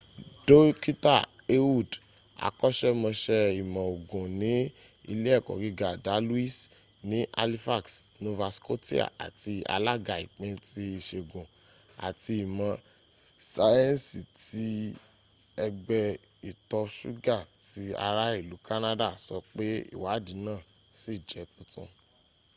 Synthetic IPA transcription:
do˦ki˦ta˦˨ | e˦wu˦˨d | a̰˨kɔ˦ʃɛ˦mɔ̃˧ʃɛ˧i˨mã˨o˨ɡõ˨nĩ˨˦ | i˧le˦ɛ˦˨kɔ̰˨ɡi˧ɡa˨da˨˦lu˦i˦˨s | nĩ˨˦ʔa̰˧li˦fa˦˨ksno˧va˧sko˦ti˦a̰˦˨a̰˨ti˧a̰˧la˦ɡa˨ḭ˨k͡pẽ˧ti˧i˨ʃe˨ɡõ˨ | a̰˨ti˧i˨mã˨ | sa˧jɛ̃˦n˨si˨ti˦ | ɛ˧ɡ͡bɛ˧ | i˨tɔ˧ʃṵ˦ɡa˦˨ti˦a̰˧ɾa˦i˦˨lu˨˦ka˦nã˦da˦˨sɔ˧k͡pe˦ḭ˦˨wa˨˦di˨˦nãː˦˨ | si˦˨d͡ʒɛ˨˦tũ˧tṵ̃˧

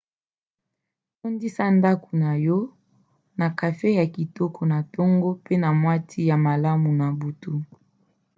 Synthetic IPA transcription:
to˦ndi˦sa˦nda˦ku˨na˨jɔ˦ | na˨ka˨fe˦ja˨ki˨tɔ˦kʰɔ˨na˨tɔ˦ŋɡo˦pe˦na˨mwa˦tʰi˦ja˨ma˨la˦mu˨na˨bu˨tu˦

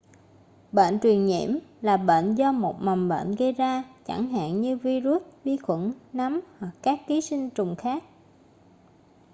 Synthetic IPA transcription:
ɓḛ˧˨nt͡ɕwi˨˩ənɲḭ˧˩˨əmlaː˨˩ɓḛː˧˨nzɔ˧mo˨˩t̚ma˨˩mɓḛː˧˨nɣə˧jzaː˧t͡ɕa˧˩ŋɦa̰ː˧˨nɲɨ˧vi˧zu˦˥t̚vi˧xwə˧˩nna˨˦mhwa˨˩kːaː˦˥kːi˨˦sï˧ŋ̟t͡ɕʊ˨˩ŋ͡mxaː˦˥k̚

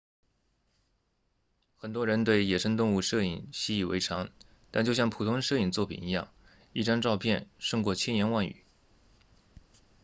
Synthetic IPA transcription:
xə˨˩nt̪wɔ˥ɻə˧˥nt̪we˥˩ɪjɛ˨˩ʂɤ˥ŋt̪̬ʊ˥˧ŋu˥˧ʂɤ˥˩ḭ˨˩ŋɕi˥i˥˩wḛ˧˥ɪʈ͡ʂʰɑ˧˥ŋ | t̪a˥˧nt͡ɕjo˥˧ʊɕjɑ˥˩ŋpʰu˨˩t̪ʰʊ˥ŋʂɤ˥˧i˥˩nt͡swɔ˥˩pʰḭ˨˩ni˧˥jɑ̰˥˩ŋ | i˥˩ʈ͡ʂa˥nʈ͡ʂɑ˥˧ʊpʰjɛ˥˧nʂɤ˥˧ŋkwɔ˥˩t͡ɕʰjɛ˥njɛ˧˥nwa˥˩ny̰˨˩˦

